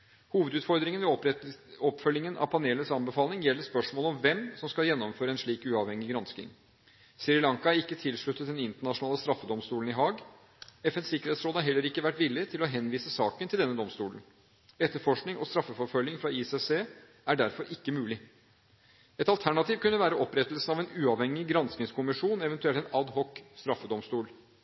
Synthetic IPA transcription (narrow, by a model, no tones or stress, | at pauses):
huːʋəd̪ʉːt̪fɔɾd̪ɾɪŋənʋɛ | ɔpfœljɪŋənʔɑ̰ʋpʰɑneːləsɑnbəfɑːlnɪŋjɛlːəspœʂmoːlɔmʋɛmsɔmskɑljɛnːɔmføːɾəɛnʂɭiːkʉːɑʋhɛŋːɪɡɾɑnskɪ̰ŋ | sɪɾɪlɑŋkɑæɾɪkːət̪ʰɪlʂɭʉt̪ːət̪̚d̪ɛnɪnt̪əɳɑʂʊnɑːləst̪ɾɑfːəd̪ɔmst̪uːlən̩ɪɦɑːɡ | ɛfɛnsɪkːəɾeːt̪sɾoːd̪ɑɾɦɛlːəɾɪkːəʋæʈʋɪlːɪt̪ʰɪlɔɦɛnʋiːsəsɑːkənt̪ʰɪld̪ɛnːəd̪ɔmst̪uːlən | ɛt̪ːəɾfɔʂknɪŋɔst̪ɾɑfːəfɔɾfœljɪŋfɾɑiːsɛseː | æɖæɾfɔɾɪkːəmʉːlɪ | ɛt̪ɑlt̪ʰæɳɑt̪iːʋkʉnːəʋæːɾəɔpɾɛt̪əlsn̩ɑʋɛnʉːɑʋhɛŋːɪɡɾɑnsknɪŋskʊmɪʂuːnɛʋɛnt̪ʉɛlt̪ɛnɑd̪hɔkst̪ɾɑfːəd̪ɔmst̪uːl